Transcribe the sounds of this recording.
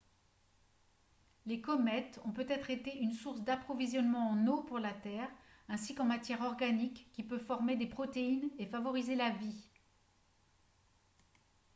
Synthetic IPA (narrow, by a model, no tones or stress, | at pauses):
lekɔmɛt̪ɔ̃pøt̪ɛt̪χet̪eynsuʁsd̪apχɔvizjɔnmɑ̃ɑ̃nopuʁlat̪ɛʁ | ɛ̃sikɑ̃mat̪jɛʁɔʁɡanikːipøfɔʁmed̪epχɔt̪einefavɔʁizelavi